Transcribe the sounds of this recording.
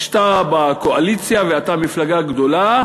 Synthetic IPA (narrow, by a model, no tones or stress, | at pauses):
ʃt̪abakoalit͡sjaveat̪amiflaɡaɡd̪o̞la